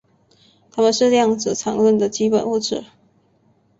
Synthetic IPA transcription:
t̪ʰa˥mə˨nʂɻ̩˥˧˥jɑ˥˩ŋd͡zɹ̩˨˩t͡sʰɑ˧˥ŋlwə˥˩nd̪ə˩t͡ɕi˥pə̰˨˩nu˥˩ʈ͡ʂʰɻ̩˨˩˦

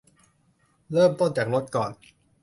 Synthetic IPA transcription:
ɾɤː˥˩mt̪o˥˩nt͡ɕaː˨˩k̚ɾo˦˥t̪̚kɔː˨˩n

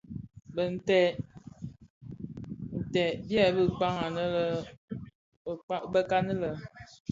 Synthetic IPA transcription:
bə˨n̩˨tɛ˨ | n̩˨tɛ˨bjɛ˦˨bə˦k͡pa˦ŋa˨nə˦lə˦˨ | a˦bə˦ka˦nə˦lə˨

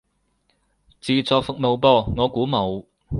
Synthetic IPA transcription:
t͡siː˨t͡sɔː˨k̚fʊ˨k̚mo˨wpɔː˧ŋɔː˨˧kuː˨˥mo˨˧w

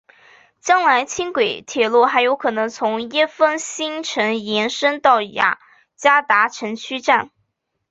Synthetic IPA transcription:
t͡ɕjɑ˥ŋla˧˥ɪt͡ɕʰi˥ŋkwe˨˩ɪt̪ʰjɛ˨˩lwɔ˥˩xa˧˥ɪjo˧˥ʊkʰɤ˨˩nɤ˧˥ŋt͡sʰʊ˧˥ŋjɛ˥fə˥nɕi˥ŋʈ͡ʂʰɤ˧˥ŋjɛ˧˥nʂə˥ŋt̪ɑ˥˩ʊja̰˨˩˦ | t͡ɕja˥t̪a˧˥ʈ͡ʂʰɤ˧˥ŋt͡ɕʰy˥ʈ͡ʂa˥˩n

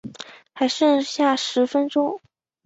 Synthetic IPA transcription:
xa˧˥ɪʂə˥˧nɕja˥˩ʂɻ̩˧˥fə˥nʈ͡ʂʊ˥ŋ

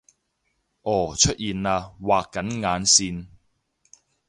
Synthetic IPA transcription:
ʔɔː˨˩t͡ʃʰɵ˥t̚jiː˨naː˧waː˨kːɐ˨˥nŋaː˨˧nsiː˧n

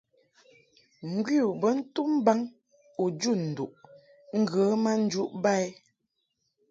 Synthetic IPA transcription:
ŋ̩˨ɡwi˦u˨bə˦n̩˦tu˦m˦ba˦ŋ | u˨d͡ʒu˦˨n̩˨du˨ʔ | ŋ̩˦ɡə˨˦ma˦n̩˦d͡ʒu˦ʔba˦˨j

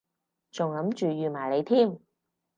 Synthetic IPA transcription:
t͡sʊ˨˩ŋlɐ˨˥mt͡ʃyː˨jyː˨˩maː˨˩jle˨˧jt̪ʰiː˥˩m

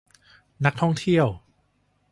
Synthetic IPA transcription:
na˦˥k̚t̪ʰɔ˥˩ŋt̪ʰi˥˩əw

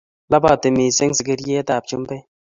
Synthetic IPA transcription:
la˦ba˦˨te˨mi˨se˦ŋsi˨ɡi˦ɾje˦ta˨p̚t͡ʃu˦mpe˦

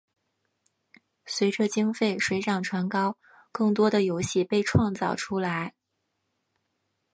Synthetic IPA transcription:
swe˧˥ɪʈ͡ʂə˧t͡ɕi˥ŋfe˥˩ɪʂwe˧˥ɪʈ͡ʂɑ˨˩ŋʈ͡ʂʰwa˧˥nkɑ˥ʊ | kɤ˥˩ŋt̪̬wɔ˥d̪ə˨jo˧˥ʊɕi˥˩pe˥˧ɪʈ͡ʂʰwɑ˥˧ŋt͡sɑ˥˩ʊʈ͡ʂʰu˥la˧˥ɪ

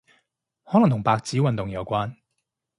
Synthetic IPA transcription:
hɔː˨˥lɐ˨˩ŋt̪ʊ˨˩ŋpaː˧k̚t͡siː˨˥wɐ˨nt̪ʊ˨ŋjɐ˨˧wkʷaː˥n

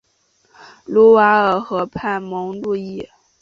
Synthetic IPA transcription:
lu˥wa˧˥ə˞˨˩xɤ˧˥pʰa˥˩nmɤ˧˥ŋlu˥˧i˥˩

